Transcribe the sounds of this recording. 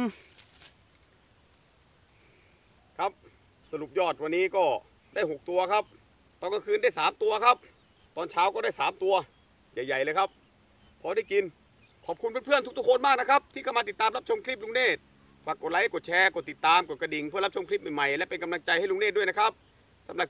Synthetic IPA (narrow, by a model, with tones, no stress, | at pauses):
kʰa˦˥p̚ | sa˧ɾu˨˩p̚jɔː˥˩t̪̚wa˧nːiː˦˥kɔː˥˩ | daː˥˩jɦo˨˩k̚t̪u˧ɐkʰa˦˥p̚ | t̪ɔː˧˩ŋka˧˩ŋkʰɯː˧ndaː˥˩jsaː˨˩˦mt̪u˧ɐkʰa˦˥p̚ | t̪ɔː˧nt͡ɕʰaː˦˥wkɔː˥˩daː˥˩jsaː˩˦mt̪u˧ɐ | ja˨˩jːa˨˩jlɤː˧kʰa˦˥p̚ʰː | ɔː˧daː˥˩jki˧n | kʰɔː˨˩p̚kʰu˧np̬e˧npʰɯ˥˩ənu˦˥kt̪ʰu˥kʰo˧nmaː˥˩k̚na˦˥kʰa˦˥p̚t̪ʰiː˥˩kʰa˥˩ma˧i˨˩t̪ːaː˧mla˦˥p̚t͡ɕʰo˧mkʰli˦˥p̚luː˧˥ŋneː˥˩t̪̚ | faː˨˩kːo˨˩t̪̚la˧˦˥jko˨˩t̚t͡ɕʰɛː˧kɔ˨˩t̪i˨˩t̪ːaː˧mko˨˩t̪̚ka˧˩di˨˩ŋpʰɯ˥˩ɐla˦˥p̚t͡ɕʰo˧mkʰli˦˥p̚ma˨˩jma˨˩jlɛ˦˥pe˧nka˧mla˧ŋt͡ɕa˧jha˥˩˨lu˧˥ŋneː˥˩t̪̚du˥˩jna˥kʰa˦˥p̚ | sa˩˦mla˨˩